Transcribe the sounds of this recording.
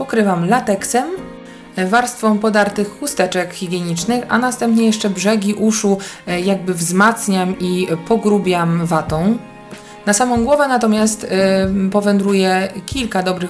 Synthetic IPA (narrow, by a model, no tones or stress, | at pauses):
pɔkɾɘvamlat̪ɛksɛm | vaɾst̪fɔ̃mpɔd̪aɾt̪ɘxːust̪ɛt͡ʂɛkxʲiɡʲjɛɲit͡ʂnɘxa̰nast̪ɛmpɲɛjɛʂt͡ʂɛbʐɛɡʲiʔuʂujaɡ̚bɘvzmat̪sɲamipɔɡɾubʲjamvat̪ɔ̃w̃ | nasamɔ̃w̃ɡwɔvɛnat̪ɔmʲjast̪pɔvɛnd̪ɾujɛkʲilkad̪ɔbɾɘx